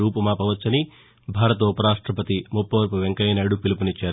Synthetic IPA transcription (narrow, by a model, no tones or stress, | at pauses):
uːpɐmaːpɐʋɐt͡ʃːɐni | bʱaːɾɐt̪ɐupɐɾaːʂʈɾɐpɐt̪imupːɐʋɐɾpuʋeŋkɐjnɐːɽupilɐpunit͡ʃːaːɾu